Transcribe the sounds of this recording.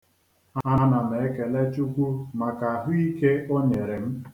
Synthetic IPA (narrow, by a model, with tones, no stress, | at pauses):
aa˦na˨m̩˨e˨e˦ke˨le˦t͡ʃu˦kʷu˦ma˨ka˨a˨ɦʊ˦i˦ke˦o˦ɲe˨ɾe˨m̩˦